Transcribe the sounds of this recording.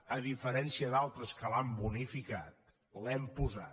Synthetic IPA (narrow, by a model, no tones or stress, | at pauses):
əðifəɾɛnsiəðalˠt̪ɾəskəlambunifika̰t̪ | lɛmpuza